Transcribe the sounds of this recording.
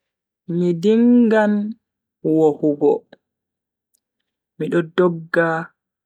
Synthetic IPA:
midiŋɡan | wohuɡɔ̰ | miɗɔdɔɡːa

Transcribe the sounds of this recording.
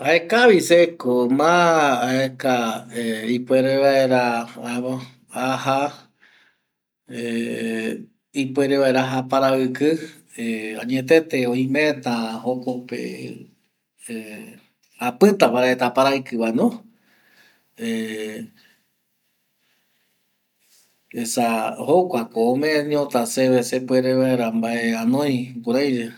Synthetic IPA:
aekaβisekomãːekaeipweɾeβaeɾaamo | aɦa | e | ipueɾeβaeɾaɦapaɾaɨkɨ | eaɲet̪̬et̪eoĩmet̪ãhokopḛ | e | apɨt̪apaɾaet̪apaɾajkɨβaenõ | e | esahokʷakoːmẽẽɲiõt̪aseβesepweɾeβaeɾambaʔe̞anõj̃puɾajɾe

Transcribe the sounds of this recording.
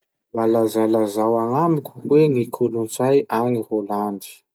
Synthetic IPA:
lalazalazawaŋamikʲu̥weŋikʰulunt͡sajaniholandi̥

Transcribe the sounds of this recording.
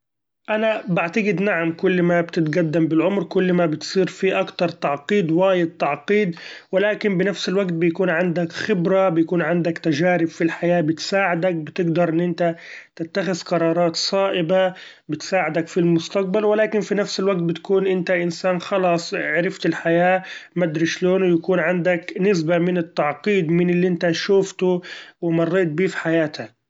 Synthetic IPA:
ʔanabaʕt̪aɡɪd̪naʕamkʊlːmabt̪ɪt̪ɡad̪ːambɪlʕʊmɾkʊlːmabɪt̪sˤiːɾfiːʔakt̪ɑɾˤt̪ɑʕqiːd̪waːjɪd̪̚t̪ɑʕqiːd̪wɪlaːkɪmbɪnafsɪlwaɡt̪̚bɪjakuːnʕand̪akxɪbɾabɪjakuːnʕɪnd̪akt̪aʒaːɾɪbfilħajaːbɪt̪saːʕɪd̪ak̚bɪt̪ɪɡd̪ɑɾˤʔɪnːʔɪnt̪at̪ɪt̪ːaxɪzqɑɾˤɑːɾˤɑːt̪sˤɑːʔɪba | bɪt̪saːʕɪd̪akfilmʊst̪aq̚balwɪlaːkɪnfinafsɪlwaɡ̚t̪̚bɪt̪ḁkuːnʔɪnt̪aʔɪnsaːnxɑlɑːsˤʕɾɪft̪ɪlħajaːmad̪ɾɪʃloːnjakuːnʕand̪aknɪsbamɪnɪt̪ːɑʕqiːd̪mɪnɪlːiʔɪnt̪aʃuːft̪ʊwɪmɑrˤːeːt̪̚biːfi̥ħajaːt̪ha

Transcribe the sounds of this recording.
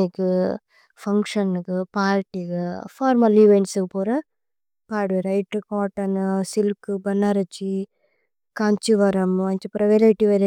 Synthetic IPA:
ɪkːɯ | fɐŋkʂɐnɯkːɯpaːlʈːikɯfaːɾmɐliʋɛɳʈsɯɯpoːɾɐ | paːɽʋeɾɐjɪʈːɯkaːʈːɐnsɪlkɯbɐnːaːɾɐt͡ʃːi | kɐɲt͡ʃɯʋɐɾɐmɐɲt͡ʃɐpɾɐʋeɾɐɪʈːiʋɐɾɐ

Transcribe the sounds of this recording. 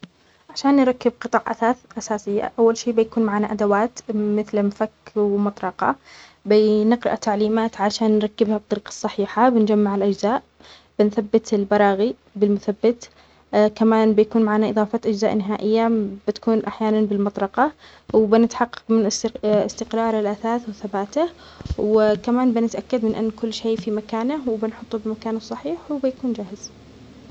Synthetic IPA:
ʕaʃaːnːɾˤɑkːɪb̚qɨt̪ˤɑːʕʔa̰aːʔasaːsɪjːa̰ʔawːalʃiːbɪjakuːnmaʕaːnaʔad̪awaːt̪mɪθlmfakːwmɑt̪ˤɾˤɑqɑ̰ | bɪnɪqɾɪʔat̪aʕliːmaːt̪ʕaʃaːnːɾˤɑkːɪbhabt̪ˤːɑɾiːqɑ̥sˤːɑħiːħabɪnd͡ʒamːaʕɪlʔad͡ʒzaːʔ | b̥ɪnθabːɪt̪ɪlbɑɾˤɑːɣi | bɪlmʊθabːɪt̪ | kamaːnbɪjakuːnmaʕaːnaʔɨðˤɑːfɑt̪ʔad͡ʒzaːʔnɪɦaːʔɪjːabɪt̪ḁkuːnʔaħjaːnanbɪlmɑt̪ˤɾɑqɑ | wɪbɪnɪt̪ħɑqːɑ̥qmɪnɪst̪ɪqɾˤɑːɾˤɪlʔaθaːθwɪθabaːt̪ah | wɪkamaːnbɪnɪt̪ʔakːad̪mɪnʔa̰nːkʊlːʃeːfimakaːnawbɪnħʊt̪ˤːubɪmakaːnsˤːɑħiːħwbɪjakuːnd͡ʒaːhɪz̥

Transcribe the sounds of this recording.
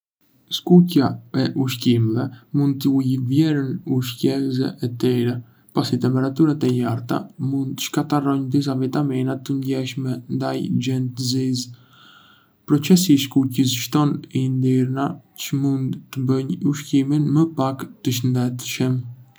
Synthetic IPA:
ʃkucaɛʔuʃcimɛvɛmund̪̚t̪əujvjɛɾənuʃcɛzɛ̰ʔɛt̪ɛɾɛ | pasit̪ɛmpɛɾat̪uɾat̪ɛjaɾt̪a̰mund̪t̪ə̥ʃkat̪arɔɲd̪is̬avit̪aminat̪əɲɟɛʃmɛnd̪ajd͡ʒɛnt̪ziz | pɾɔt͡sɛsiːʃkucəs̬ʃt̪ɔnind̪iɾnat͡ʃəmund̪t̪əbəɲuʃciminməpakt̪əʃ̬ənd̪ɛt̪ʃəm

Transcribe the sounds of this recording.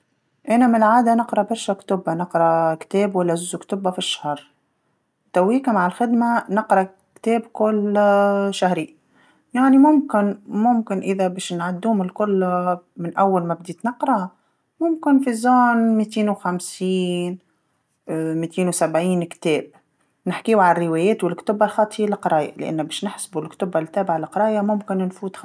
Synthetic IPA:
ʔanamlʕaːd̪anɪqɾˤɑbɑɾˤʃakt̪ʊbːanɪqɾˤɑkt̪eːbwalːaʒʊzʊkt̪ʊbːafiʃːḁhɾˤ | t̪awːiːkamaʕɪlxɪd̪manɪqɾˤɑ | kt̪eːbkʊl | ʃahɾi | jaʕnimʊmkɪnmʊmkɪnʔɪðabeːʃnʕad̪ːuːmɪlkʊlːamɪnʔawːalmabd̪iːt̪nɑqɾˤɑ | mʊmkɪnfizɑːnmiːt̪eːnwxamsiːn | miːt̪eːnwsabʕiːnkt̪eːb̚ | nɪħkiːwʕarːɪweːjeːt̪wɪlkt̪ʊbalxɑːt̪ˤjlɪqɑɾˤɑːja̰lɪʔa̰nːbeːʃnɪħsbulkt̪ʊbalt̪ːæːbɪʕalɪqɑɾˤɑːjamʊmkɪnnfuːt̪

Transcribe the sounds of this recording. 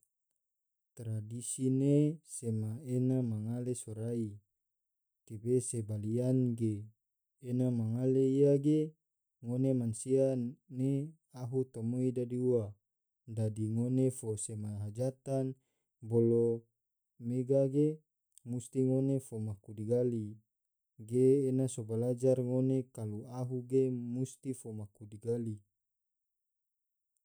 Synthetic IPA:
t̪ɾadisinesemaenamaŋalesoɾai | t̪ibesebalianɡeː | namaŋaleijaɡe | ŋonemansiane | aɦut̪omoidadiua | dadiŋonefosemaɦad͡ʒat̪an | bolo | meɡaɡe | must̪iŋonefomakudiɡali | ɡeːnasobalad͡ʒarŋonekaluaɦuɡemust̪ifomakudiɡali

